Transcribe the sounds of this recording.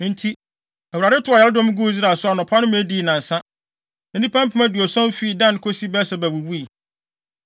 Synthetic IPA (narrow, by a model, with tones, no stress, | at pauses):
n̩˦tʰi˦ | æ˨u˨ɾa˨dɪ˦tʰʊ˦a˨jɛ˦dɔ̃˦m˦ɡu˦zɾa˨sʊ˦a˨nʊ̃˨pʰa˦nʊ̃˦m̃˦æ˦di˦˨nã˨n˨sã˦ | nã˨nĩ˦pʰã˦m̩˦pʰʊ̃˦mæ̃˦du˨ɔ˨sɔ̃˦m˦fi˦˨dã˦˨n˦kʰo˦si˦bɛ˦sɛ˦bæ˨wu˨wu˦i˨